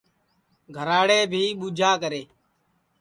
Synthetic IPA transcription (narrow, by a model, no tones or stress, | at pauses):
ɡʱəɾaːɽeːbʱiːɓuːd͡ʒʱaːkəɾeː